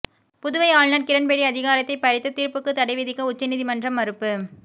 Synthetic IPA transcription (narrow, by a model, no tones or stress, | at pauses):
pʊðʊʋɐɪaːɭnɐɾkɪɾɐnpeːɽiɐðɪɣaːɾɐt̪ːɐɪpːɐɾɪt̪ːɐt̪iːɾpɯkːɯt̪ːɐɽɐɪʋɪðɪkːɐʊt͡ʃːɐnɪðɪmɐndrɐmːɐɾɯpːɯ